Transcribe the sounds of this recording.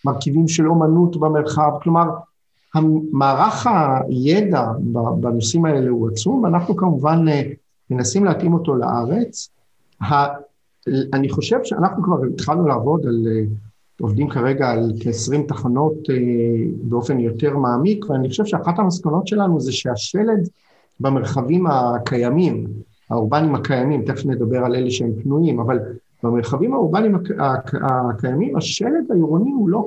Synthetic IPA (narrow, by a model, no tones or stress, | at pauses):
maʁkivimʃelo̞manutbame̞ʁχavklo̞maʁ | hamaːʁaχajedababanosimae̞lehuat͡sumvanaχnukamuvan | menasimleatʔimo̞to̞la̰ʔaʁe̞t͡s | ha | laniχo̞ʃe̞vʃea̰naχnukvaʁet̪χalnulaːvo̞dale | o̞vdimkaʁe̞ɡaːlkːsʁimtaχano̞tebeo̞fe̞njo̞te̞ʁmaːmikveaniχoʃevʃeaχathamaskono̞tʃe̞lanuzeʃeaʃe̞led | bame̞ʁχavimakʰajamim | ha̰uʁbanimakajamimt̪eχnled̪abe̞ʁale̞leʃee̞mpnuimaval | b̥ameʁχavimauʁbanimaakakajamimaʃe̞led̪aiʁoniulo̞